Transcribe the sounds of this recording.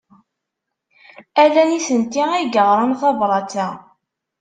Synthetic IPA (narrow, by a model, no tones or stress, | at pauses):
ælænisənt̪iæɡəʁɾˤɑnθɑvɾˤɑt͡sæ